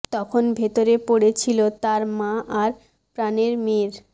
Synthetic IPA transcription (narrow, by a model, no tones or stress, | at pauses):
t̪ɔkʰonbʱet̪oɾepoɽet͡ɕʰilot̪aɾmãʔaɾ | pɾaneɾmeɾ